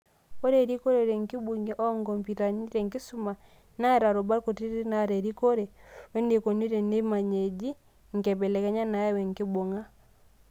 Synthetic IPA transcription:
ɔ˦ɾe˨ɾi˦kɔ˦ɾɛ˦˨ɾɛ˨ŋki˦bu˨ŋi˨ʔɔ˦ŋɡɔ˨mpi˨ɾa˨ni˦ɾɛ˨ŋki˦su˦ma˨ | na˦˨ɾa˨ɾɔ˨ba˦ko˨ti˦ɾi˦na˨ɾɛ˨ɾi˦kɔ˦ɾɛ˨wɛ˦ne˨kɔ˨ni˦ɾɛ˨ne˦ma˨ɲe˨d͡ʒi˦ | ŋ˨kɛ˨bɛ˨lɛ˨kɛ˦ɲa˦na˨ja˦wɛ˨ŋ˨ki˦bo˨ŋa˦

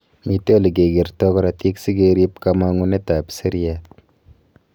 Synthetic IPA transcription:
mi˨te˦o˦li˨ke˨ɡi˨ɾtɔ˦kɔɾa˨ti˦ksi˦keɾi˦p̚kamaŋu˦ne˦ta˨pse˦ɾiat̚

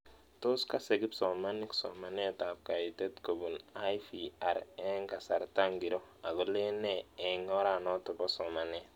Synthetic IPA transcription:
to˦ska˦se˨ɡi˦psɔ˨ma˦ni˦ksɔ̰˨ma˨n˦e˦ta˨p̚ka˨ji˨tɛ˦tko˨bu˨na˦jfia˨ɾɛ˦ŋka˨sa˨ɾta˦ŋɡi˨ɾo˦a˨ɡo˨le˦nɛ˦ɛ˨ŋɔ˦ɾa˨nɔ˦tɔ˨bɔ˦sɔ˨ma˨nɛ˦

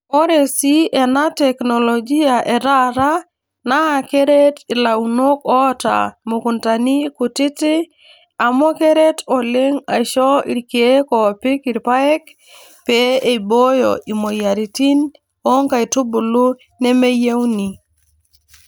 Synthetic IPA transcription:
ɔ˦ɾe˨si˦ʔɛ˨na˦tɛ˨knɔ˨lɔ˨ɡi˦a˨ʔe˨ɾa˦ɾa˦ | na˦a˨ke˦ɾe˦ti˨la˨u˨no˦kɔ˦ta̰˨mo˨ku˨nta˨ni˦ku˨tɪ˦tɪ˦ | a˨mɔ˦ke˦ɾe˦tɔ˨le˦ŋa̰˨ʃɔ˦ḭ˨ɾke˨˦kɔ˨pɪ˦kɪ˨ɾpa˦ɛ˦k̚ | pe˨e˨bo˦jɔ̰˨ʔi˨mo˨ja˨ɾi˨ti˦n | ɔ˦ŋka˨i˨tu˦bu˨lu˦ | ne˦me˦je˦wni˨

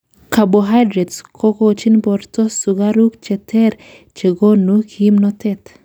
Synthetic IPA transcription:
ka˨bɔɦa˦jdɾɛ˨dskʰɔ˦kot͡ʃi˦nbɔɾtɔ˦suɡa˦ɾu˦kt͡ʃɛ˨tʰɛ˦ɾ | t͡ʃe˨ɡo˦nukʰi˦mnɔtɛt̪

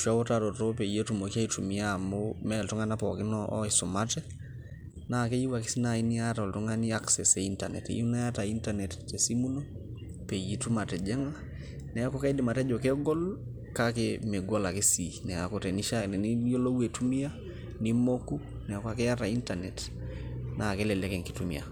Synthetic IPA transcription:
ʃwa˦wo˦tatɔ˨to˦pe˨je˦tu˨mo˨ki˦a˦i˦tu˨mi˦a˦momɛ˦ltu˦ŋa˦na˦pɔ̰˨kɪ˦nɔʔɔ˦iso˨matɛ˦ | na˦ke˦ji˦wa˨ki̥˦si˦na˨i˦ni˦a˦tao˨ltu˦ŋa˦ni˦a˦ksɛ˨sei˦ntanɛ̰˨tḛju˦na˦a˦ta˨i˦ntanɛ˨tte˨si˦mu˦no˦ | pe˨ije˦tu˦ma˨tɛ˨d͡ʒɛ˦ŋa˦ | nɛ˨a˦kɔ˦ke˦di˨ma˨tɛ˦d͡ʒɔ˨ke˦ɡɔ˦l | kakeme˨ɡo˦la˨ke˦sinɛ˨ako˨tɛ˨ni˦ʃa˦nɛ˨ni˦jo˦lo˦we˨tu˦mi˦a˦ | ni˦mo˦ku˦ | nɛ˨a˨kwa˦ke˦ja˦ta˨i˦ntanɛ˨t | na˨ke˦lɛ˨lɛkɛ˨ŋki˨tumḭa̰˨

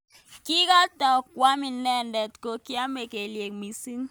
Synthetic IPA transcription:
ki˦ka˦tɔ˨k̚wa˦mi˨nːɛ˦˨ndɛ˨tko˨ki˦a˦me˨ke˨lje˨kmi˨si˦ŋ

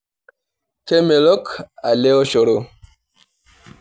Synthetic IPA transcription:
te˦me˨lo˦ka˨le˦o˦ʃo˨ɾo˦˨

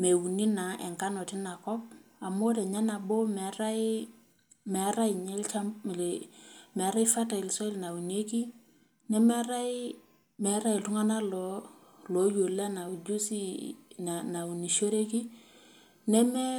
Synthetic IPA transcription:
me˨wu˨ni˦na˨ʔɛ̰˨ŋka˦nɔ˨tɪ˦na˨kɔ˦p̚a˨mo˦dɛ˨ɲa˦na˨bo˦mɛ˨˦ɾa˦i˦ | mɛ˨˦ɾa˦i˨ɲɛ˦lt͡ʃa˦˨lmɛ˨˦ɾa˦i˦fa˦ta˨i˨lsɔ˦lna˨wu˨ne˦ki˦ | nɛ˦mɛ˦ɾa˦i˦ | mɛ˨˦ɾa˦i˨tʊ˦ŋa˦na˦lɔ˨˦ | lɔ˨˦jo˨la˦na˨d͡ʒu˦si˦na˨na˨u˨ni˨ʃo˦ɾe˦ki˦ | nɛ˦mɛ˦

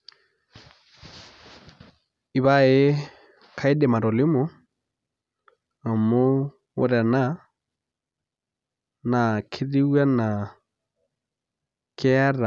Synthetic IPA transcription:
i˨βa˦e˦ | kʰa˦i˦dɛ˨ma˨ɾɔ˨lɪ˦mʊ˨˦ | a˨mo˦ | o̰˦ɾa˨na˦ | na˨kʰɪ˦ði˦wwa˦na˨ | kʰɛ˦a˦ɾa˨

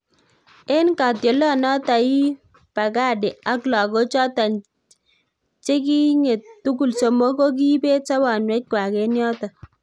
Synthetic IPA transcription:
e˦nka˨tjo˨lɔ˦nɔ˦ta˨i˦ | pa˨ka˦de˨a˦kla˨ko˦t͡ʃɔ˦ta˨n | t͡ʃe˦ki˦ŋe˨ttu˦ku˨lso˨mo˦ko˦k̬i˦be˦tsa˦ba˨nwɛ˦t̚kwa˨ke˦njɔ˦ta˨

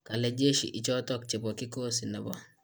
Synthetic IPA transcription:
ka˨lɛ˦d͡ʒe˦ʃḭ˨ʔɪ˨t͡ʃɔ˦tɔ˦k̚t͡ʃe˨pɔ˨kɪ˦ko˦sɪ˨nɛ˨bɔ̰˨

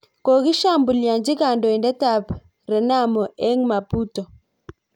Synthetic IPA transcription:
ko˨ɣi˦ʃa˦mbu˨lja˨nd͡ʒi˦ka˨ndɔ˨i˨ndɛ˦ta˨p | ɾɛ˨na˦mɔ˨ʔɛ˦ŋma˨pu˦tɔ˨

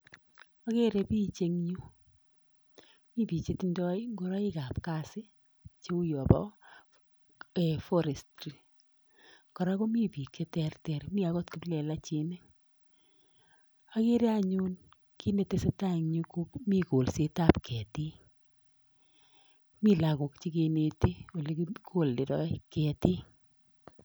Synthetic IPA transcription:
a˨˦ke˦ɾe˨˧pi˦t͡ʃe˧ŋɲu˦ | mi˦pi˨t͡ʃe˨ti˦ndɔ˦jŋɡo˦ɾa˦i˦ka˨pka˦sɪ˦ | t͡ʃe˦u˦jɔ˨pɔ̰˦ | ɛ˨fɔ˦ɾɛ˨stɾi˨ | kɔ˨ɾa˦ko˦mi˦pi˨ke˦tɛ˦rtɛ˨rmi˦a˦ko˦tkɪ˦plɛ˨la˦t͡ʃi˨ne˦ŋ | a˦ke˦ɾe˦a˦ɲu˦n | ki˦ne˨te˦se˦ta˦˨ŋɲu˦ku˦kmi˦ko˨lse˦ta˦pkʰɛ˨ti˦ | mi˦la˨ko˨kt͡ʃi˦ke˧ne˨te˦o˨le˦kko˦˨lde˨dɔ̰˦ikɛ˨ti˦

